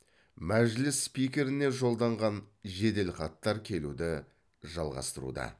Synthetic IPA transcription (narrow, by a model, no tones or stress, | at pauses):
mæʒlɪsːpijkʲe̞ɾɪne̞ʒo̞lˠd̪ɑɴʁɑnʒe̞d̪e̞lχɑt̪ːɑɾkʲʰe̞lud̪ɪ | ʒɑlˠʁɑ̰st̪əɾṵd̪ɑ̰